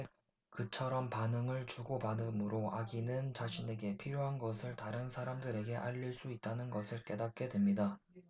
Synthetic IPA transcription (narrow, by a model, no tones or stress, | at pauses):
kɯt͡ɕʰʌɾʌmpanɯŋɯɭt͡ɕuɡopanɯmɯɾoʔaɡinɯnt͡ɕaɕʰine̞ɡe̞pʰiɾjoɦanɡʌsʰɯɭtaɾɯnsʰaɾamdɯɾe̞ɡe̞ʔaʎːiɭs͈uit̚t͈anɯnɡʌsʰɯɭk͈e̞dak̚k͈e̞dwe̞mɲida